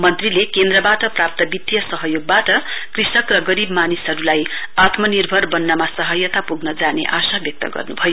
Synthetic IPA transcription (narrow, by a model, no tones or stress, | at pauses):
mʌnt̪rilekend̪rʌbaʈʌprap̚t̪ʌbit̪jʌsʌɦʌjoɡ̚baʈʌkrisʌkrʌɡʌɾibmanisɦʌɾulajat̪mʌnirbʱʌrbʌnːamasʌɦʌjʌt̪apuɡnʌd͡zanḛʔasabjʌk̚t̪ʌ̰ɡʌ̰rnubʱʌjo